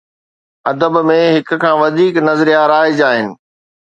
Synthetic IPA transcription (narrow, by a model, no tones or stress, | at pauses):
ɐd̪əbmẽɦɪk̆kʰãːʋɐd̪ʱiːknɐzɾijaɾaːɪd͡ʑaːɦɪnɪ̆